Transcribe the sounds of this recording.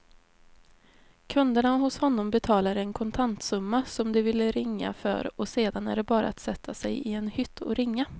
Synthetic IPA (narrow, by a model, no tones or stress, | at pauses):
kʰɵnd̪əɳaɦʊshɔnːɔmbɛt̪ʰɑːlaɾɛnkʰɔnt̪ʰant̪sɵmːasɔmd̪ɛvɪlːəɾɪŋːa̰fœ̰ɾɔseːd̪anæ̰ɖɛbɑːɾa̰at̪sɛt̪ʰːasɛjɪɛnhʏt̪ʰːɔ̰ɾɪŋːa